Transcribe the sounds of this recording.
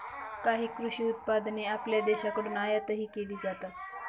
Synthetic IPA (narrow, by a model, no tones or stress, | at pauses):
kaɦiːkɾuɕiːut̪̚pad̪neapljad̪ɛɕakəɽuːnajat̪əɦiːkeliːd͡zat̪a